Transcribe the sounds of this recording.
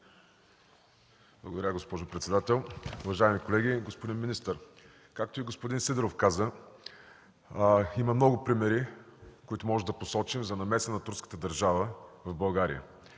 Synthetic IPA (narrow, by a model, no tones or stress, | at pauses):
b̥lˠɐ̰ɡod̪ɐɾʲaɡospɔʒʊpɾɛt̪sɛd̪at̪ɛlˠʊvɐʒaɛmikolɛɡʲiɡospod̪inminist̪əɾ | kak̚t̪oiɡospʊd̪insid̪ɛɾofkazə | imɐmnɔɡʊpɾimɛɾikoit̪ʊmɔʒɛd̪ɐposɔt͡ʃimzɐnɐmɛsənɐt̪uɾskə̥t̪əd̪ɐɾʒavəvɐvbɐlˠɡaɾḭjə̰